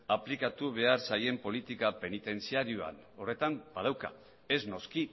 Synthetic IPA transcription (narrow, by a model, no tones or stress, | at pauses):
aplikat̪uβ̞e̞aɾsaje̞mpo̞lit̪ikape̞nit̪e̞nt͡siaɾioa̰n | o̞re̞t̪amb̥að̞awka̰ | e̞zno̞ski